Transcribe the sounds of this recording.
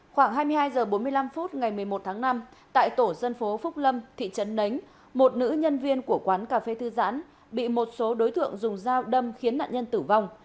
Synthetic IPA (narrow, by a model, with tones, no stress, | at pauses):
xwaː˧˩ŋɦaː˧jmɨ˧əhɦaː˧jzəː˨˩ɓo˨˦nmɨ˧əjla˧mfu˦˥t̚ŋa˨˩jmɨ˨˩əjmo˨˩t̚t̪ʰaː˨˦ŋna˧mt̪a̰ː˧˨jt̪o˧˩zə˧nfo˨˦fʊ˦˥k͡p̚lə˧mt̪ʰḭ˧˨t͡ɕə˨˦nːə˨˦jŋ̟ | mo˨˩t̚nɨ̰˧˥ɲə˧nvi˧ənku˧˩əkwaː˨˦nkaː˨˩fe˧t̪ʰɨ˧za̰ː˧˥n | ɓḭ˧˨mo˨˩t̚so˨˦ɗo˨˦jt̪ʰɨ̰˧˨əŋzʊ˨˩ŋ͡mzaː˧wɗə˧mxi˨˦ənːa̰ː˧˨ɲə˧nt̪ɨ˧˩va˧wŋ͡m